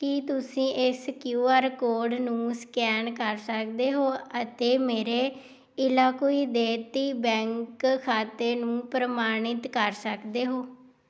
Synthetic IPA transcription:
kɪt̪ʊsĩːʔɪskjuːaːɾkoːɾɖnũːskɛːnkəɾsək̚d̪eːɦoːət̪eːmeːɾeː | ɪlaːkoːiːd̪eːt̪iːbɛ̃ːŋkkʰaːt̪eːnũːpɾəmaːɽ̃ɪt̪kəɾsəkd̪eːɦoː

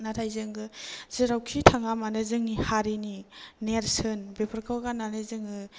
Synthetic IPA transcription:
natʰajzɯŋɡɯz̥iɾawkʰitʰaŋamanɯzɯŋihaɾinineɾsɯnbepʰɯɾkʰɯwɡananezɯŋɡɯ

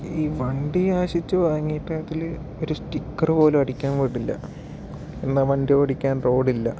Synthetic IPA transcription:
iːʋɐɳɖiaːɕit͡ɕːɨʋaːŋːiːʈːaːt̪ːil | o̞ɾusʈikːɐrɨpo̞ːlumɐɽikʲːaːnʋiɽilːɐ̰ | enːɐʋɐɳɖiʋɐɽikʲːaːnro̞ːɽilːɐ̰

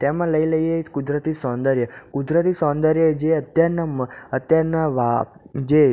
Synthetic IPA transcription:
t̪emãləiləiekud̪ɾət̪isɔ̃nd̪əɾjəkud̪ɾət̪isɔ̃nd̪əɾjəd͡ʒeət̪jaɾnamət̪jaɾnaʋa | d͡ʒe

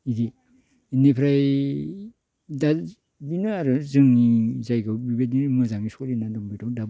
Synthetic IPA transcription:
idi | nepʰɾaj | da | binaːɾɯzɯŋnizajɡɯbibenimɯzaŋisɔlinadɔmbitɔdab

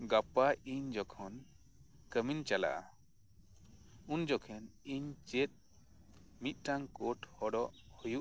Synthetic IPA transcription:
ɡapaʔiɲd͡ʒɔkʰɔn | kəmint͡ʃala̰ʔa̰ | und͡ʒɔkʰɛniɲt͡ʃɛt̪̚ | mit̪̚ˀʈaŋkɔʈhɔɖɔʔhujuʔ

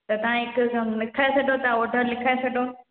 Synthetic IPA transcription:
t̪ɐt̪ɐʋ̤ãɦɪklɪkʰaːesɐɖʱot̪aoːɖʱəɾlɪkʰaːesɐɖʱo

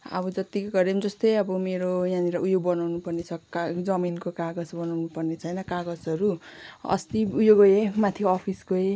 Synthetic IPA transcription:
ʌ̰bʌd͡zʌt̪ikɡʌɾemd͡zʌst̪ʌjʌbʌmeɾojãniɾʌʔujoɡ̚bʌnawnupʌrnet͡sʰʌkd͡zʌminkokaɡʌsbʌnawnupʌrnet͡sʰʌjnʌkaɡʌsʌɾuʌ̰st̪iujoɡoemat̪ʰiʌpʰiskoe

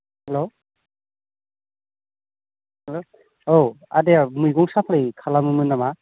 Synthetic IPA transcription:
helo | helo | oa̰deamɯjɡɔŋsapʰlɯjkʰalamɯmɯnama

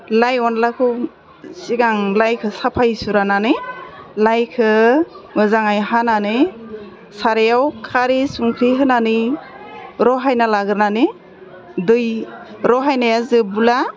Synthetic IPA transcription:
lajɔnlakʰɯ | siɡaŋlajkʰɯsapʰajsuɾananɯlajkʰɯmɯzaŋajhananɯ | saɾejawkʰaɾisuŋkʰɾiɦɯnani | ɾɔɦajnalaɡɯɾnanɯ | dɯjɾɔɦajnajazɯbula

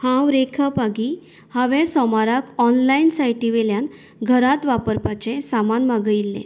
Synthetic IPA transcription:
hãwɾekʰapaɡi | haʋẽsɔmaɾakɔnlainsajʈiʋeljan | ɡʱəɾat̪ʋapəɾpat͡ɕesamanmaɡəilːḛ̃

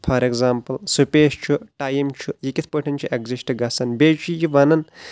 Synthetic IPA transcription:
pʰɐɾeɡzaːmpɐlsupʲeːʃt͡ʃʰuʈaːjimt͡ʃʰujikʲit̪ʰpəʈʰɐnt͡ʃʰuʔeɡzisʈɨɡɐsɐnbeːt͡ʃʰijiʋɐnɐn

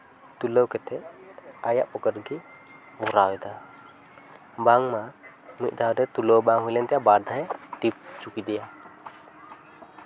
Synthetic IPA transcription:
t̪uləwkɛt̪ɛajaʔpɔkəɾɡi | bɔɾawɛd̪a | baŋma | nuc̚ˀd̪awdɛt̪uləwbaŋɦujlɛnt̪ɛjabad̪ʱaɦɛʈip̚t͡ʃukid̪ɛja

